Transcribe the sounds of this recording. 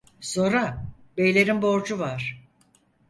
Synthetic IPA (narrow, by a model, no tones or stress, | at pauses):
so̞ɾabe̞jlʲe̞ɾinbo̞ɾd͡ʒuvaɾ̥